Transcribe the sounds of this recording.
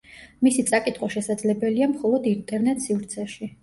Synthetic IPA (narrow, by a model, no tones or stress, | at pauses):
misit̪sʼakʼit̪ʰʼχwɔʃɛsad̪zlɛbɛliamχɔlˠɔd̪int̪ʼɛɾnɛt̪ʼsivɾt̪sʰɛʃi